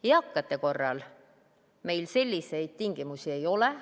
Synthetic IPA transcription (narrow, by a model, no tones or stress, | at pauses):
jɑkːˑɑt̪ːˑe̞ko̞rːɑ̰l | me̞jlse̞lʲːise̞jd̪̥̚t̪iŋɡ̥imusie̞jo̞le